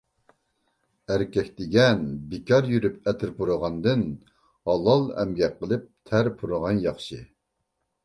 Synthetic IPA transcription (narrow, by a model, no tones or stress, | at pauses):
æɾkʲɛkʲd̪ɪɡʲɛnbɪkʲɑɾjyɾyp̚ɛt̪ʰɪɾpʰuɾʊʁɑnd̪ɨn | hɑlˠɑlˠɛ̰mɡʲɛqːəlˠɨp̚t̪ʰæɾpʰuɾʊʁɑnjɑχʃɨ